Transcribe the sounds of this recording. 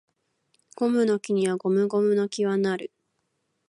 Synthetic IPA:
ɡ̥o̞mɯ̟no̞kʲiɲ̟iβaɡo̞mɯ̟ɡo̞mɯ̟no̞kʲiβanaɾɯ̟

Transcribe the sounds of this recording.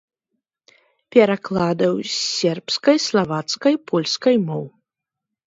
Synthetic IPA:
pʲɛɾaklˠaːd̪ɐwsʲɛɾpskɐjslˠavat̪skɐjpʰɔlʲskɐjmɔw

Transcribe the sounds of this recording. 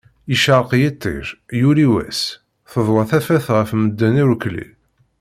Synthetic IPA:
iʃɑɾˤqjit̪ˤːḛɾjuɾiwæ̰s | θəðˤwɑθæfæθʁəfməd̪ːæniɾuklḭl

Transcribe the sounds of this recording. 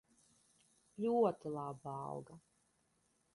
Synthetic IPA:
lʲuɔt̪ilˠabaɑ̰wɡa

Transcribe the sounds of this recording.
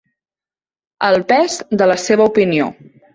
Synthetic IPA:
əlˠpɛzd̪ələseβ̞əupinio̰

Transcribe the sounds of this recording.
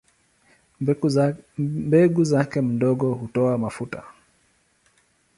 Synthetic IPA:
mbɛɡuzakɛm̩dɔɡɔhutɔamafuta̰

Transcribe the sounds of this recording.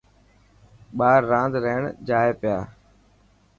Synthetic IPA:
ɓaːɾːãːnd̪ɾəɦɳd͡ʒaːeːpɪjaː

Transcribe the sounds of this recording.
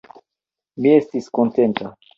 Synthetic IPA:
mie̞stiskonte̞nta

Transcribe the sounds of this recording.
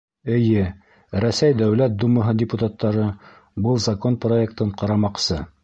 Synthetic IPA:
ɘ̆jɘ | ɾæsæjd̪æwlæt̪̚d̪umɤ̆ɦɤdʲɪput̪at̪ːɑɾɤ | bɤlˠzɐkonproekt̪ɤɴqɑɾɑmɑqsɤ

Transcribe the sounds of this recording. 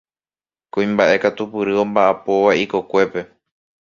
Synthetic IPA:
kũĩmbaʔe̞kat̪upɨɾɨõ̞mbaʔapo̞ʋaiko̞kʷe̞pe̞

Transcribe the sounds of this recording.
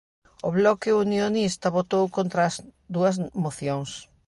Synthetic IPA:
oβlɔkɪunjonist̪ɐβot̪owkont̪ɾɐːzd̪uɐzmoθjoŋs

